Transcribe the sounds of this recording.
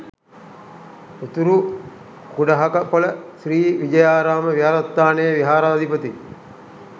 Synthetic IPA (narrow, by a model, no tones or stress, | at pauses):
ut̪uɾu | kuɖɐɦakɐpɐləsɾiːʋid͡ʒɐjaːɾaːməʋiaɾɐt̪ːaːnejəʋiɦaːɾaːd̪ʱipət̪i